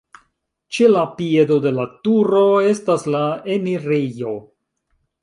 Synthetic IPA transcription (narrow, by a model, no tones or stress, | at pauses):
t͡ʃe̞lapie̞do̞de̞latuɾo̞e̞staslaeniɾejo̞